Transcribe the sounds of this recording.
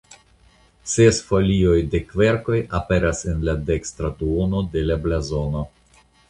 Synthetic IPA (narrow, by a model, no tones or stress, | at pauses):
sesfo̞lio̞jde̞kve̞ɾko̞jape̞ɾase̞nlade̞kstɾatuono̞de̞lablazo̞no̞